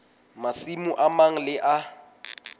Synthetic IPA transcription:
masimuʔamaŋ̩lɪʔa

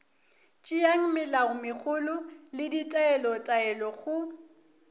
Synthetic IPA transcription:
t͡ʃʼɪjaŋ̩mɪlaɣʊmɪk͡xʰʊlʊlɪditʼaɛlɔtʼaɛlɔɣʊ

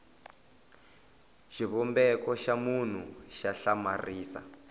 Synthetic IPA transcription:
ʃiβɔmbɛkɔʃamun̤uʃaɬamariːsa̰

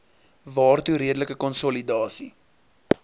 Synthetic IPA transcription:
vɑːrtuɾiədələkəkɔnsɔlidɑːsi

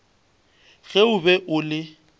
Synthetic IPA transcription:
ɣɛʊbɛʔʊlɪ

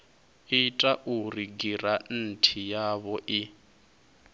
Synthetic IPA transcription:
itʼaʔuriɡiran̩tʰijaβɔʔi

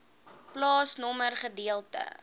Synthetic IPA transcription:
plɑːsnɔmərχədiəlˠtə̰

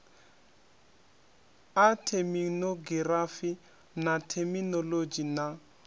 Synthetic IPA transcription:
atʰeminoɡirafi | natʰɛminɔlod͡ʒina

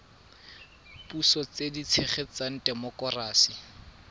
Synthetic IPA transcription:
pusɔt͡sedit͡sʰeχet͡san̩dɛmɔkɔraːsi

